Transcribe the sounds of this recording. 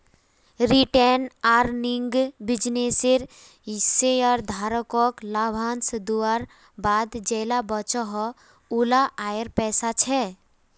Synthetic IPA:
ɾiʈenaɾniŋɡbid͡ʒneseɾ | seɔɾd̪ʱaɾəkɔklabʱansd̪uaɾ | bad̪d͡ʒɛjlabət͡ʃɔɦɔ | ulaʔaeɾpɛsat͡ʃʰɛ

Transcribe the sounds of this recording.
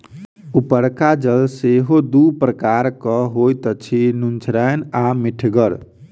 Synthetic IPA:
upəɾkad͡ʒəlseɦod̪upɾəkaɾkəɦojt̪ət͡ʃʰinunt͡ʃʰɾənamiʈʰɡəɾ

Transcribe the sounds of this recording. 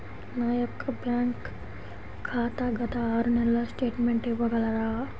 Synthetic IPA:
naːjəp̚kabjaŋkʰː | aːt̪aɡɐt̪aːɾnalasʈeːʈmeɳʈebɐɡʱalaɾaɦa

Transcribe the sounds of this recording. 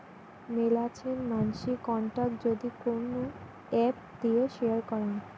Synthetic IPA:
melat͡ɕʰenmanʃikɔɳʈak̚ʈd͡ʑod̪ikono | ɛp̚ | d̪ieʃeaɾkɔɾen

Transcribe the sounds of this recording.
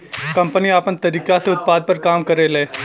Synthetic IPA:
kɐ̃mpəniaːpənt̪ɐɾiːkaseʊt̪̚paːd̪̚pəɾkaːmkəɾeːleː

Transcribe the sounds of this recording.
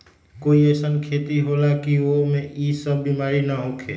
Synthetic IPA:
koiesənkʰet̪iɦolakiomeisəbːimaɾinəɦokʰe

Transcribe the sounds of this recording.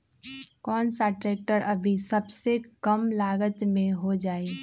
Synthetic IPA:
kɔːnsaʈɾɛːk̚ʈəɾɐbʱisɐbsekɐmlaːɡət̪mẽɦod͡ʒaːe

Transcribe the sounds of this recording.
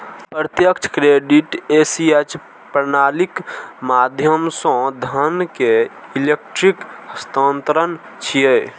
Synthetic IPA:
pɾət̪jəkt͡ʃʰkɾeɖiʈesiet͡ʃ | pɾnalikmad̪ʱjəmsɔ̃d̪ʱənkeilek̚ʈɾikəst̪ə̃nt̪ɾən | t͡ʃʰije

